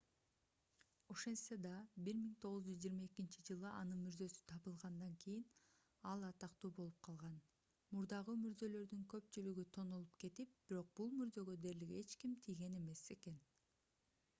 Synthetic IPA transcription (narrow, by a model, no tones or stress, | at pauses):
oʃensed̪ɑbiɾmiŋt̪ʰo̞ʁɯzd͡ʒyzd͡ʒijːɾmɑe̞kint͡ʃid͡ʒɯlˠɯʔɑnɯnmyɾzø̞sy̥t̪ʰɑβɯlˠʁɑnd̪ɑŋkʰijin | ɑlˠɑt̪ɑqt̪uːbo̞lˠup̚qʰɑlˠʁɑn | muɾd̪ɑʁɯmyɾzø̞lø̞ɾd̪yŋkø̞p̚t͡ʃylyɡyt̪ʰo̞no̞lˠupke̞t̪ip̚b̥iɾo̞q̚b̥ulˠmyɾzø̞ɡø̞d̪e̞ɾliɡe̞t͡ʃkimt̪ʰijɡe̞ne̞me̞se̞ke̞n